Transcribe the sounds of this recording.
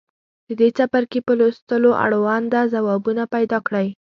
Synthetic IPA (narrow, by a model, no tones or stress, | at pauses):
d̪̥əd̪et͡sapaɾkepəlost̪əloʔa̰ɽowɑnd̪azawɑbunapajd̪ɑkɽəj